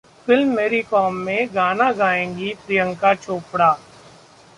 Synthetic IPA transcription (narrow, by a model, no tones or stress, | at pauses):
fɪlmːeːɾikɔːmːẽɡaːnaɡaːẽːŋɡipɾijə̃ŋkat͡ʃʰoːpɽaː